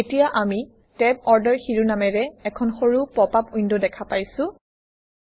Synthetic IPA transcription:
etijaʔami | tɛb̚ɔɹdɛɹxiɹunamɛɹɛɛkʰɔnxoɹupɹɔpapujndɔdɛkʰapajsʊ̃

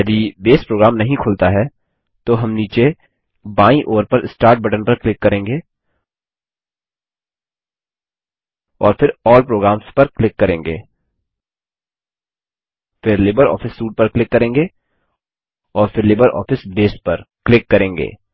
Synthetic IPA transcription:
jɐd̪ibeːspɾoːɡɾaːmnɐɦĩkʰʊlt̪aɦɛ | t̪oɦɐmniːt͡ʃe | baːĩʔoːɾpɐɾɪsʈaːɾʈ̚bɐʈənpɐɾklɪkːɐɾẽːŋɡeː | ɔːɾfɪɾɔːlpɾoːɡɾaːmspɐɾklɪkːɐɾẽːŋɡḛː | fɪɾleːbəɾɔ̰ːfʰɪsːuːʈ̚pɐɾklɪkːɐɾẽːŋɡeː | ɔːɾfʰɪɾleːbəɾʔɔ̰ːfɪsbeːspɐɾklɪkːɐɾẽːŋɡḛː

